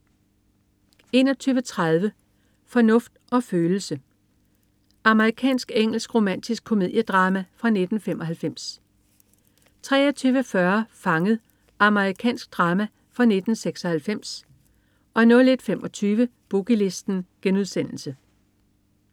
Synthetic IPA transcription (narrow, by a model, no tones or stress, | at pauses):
e̝̰ːnɒ̽t͡sʰyːʋət͡sʰʁað̞ˠʋə | fɒ̽nɔ̽fd̥ʔɒ̽føːl̩sə | ɑ̈məʁikʰɛ̰ːnsɡ̥eŋ̰l̩sɡ̥ʁo̝mæn̰d̥isɡ̥̚kʰo̝me̝ð̰ˠjəd̥ʁɑ̈ːmæfʁɑ̈ne̝d̥n̩femɒ̽ɦælfem̰s | t͡sʰʁɛ̰ːɒt͡sʰyːʋəfɶɐfɑ̈ŋəð̞̩ˠ | ʔɑ̈məʁikʰɛ̰ːnsɡ̥̚d̥ʁɑ̈ːmæ | fʁɑ̈ne̝d̥n̩seɡ̥sɒ̽hælfem̰s | ɒ̽nɔ̽le̝d̥fem̰ɒ̽t͡sʰyːʋəb̥uɡ̥ile̝sd̥n̩ɡ̥enuð̞ˠsen̰l̩sə